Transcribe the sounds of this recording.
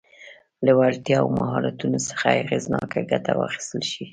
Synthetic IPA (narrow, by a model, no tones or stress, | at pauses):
ləwalt̪jɑawmaɦɑɾat̪unosə̥xaaɣeznɑkaɡat̪awɑ̰xi̥st̪əlʃi